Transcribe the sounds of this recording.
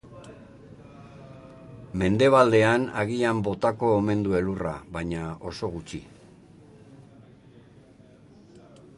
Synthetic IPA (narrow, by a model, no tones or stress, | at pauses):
me̞nd̪e̞β̞ald̪e̞anaɣ̞iambo̞t̪ako̞ːme̞nd̪ue̞lura̰βajɲao̞so̞ɣ̞ut͡ʃḭ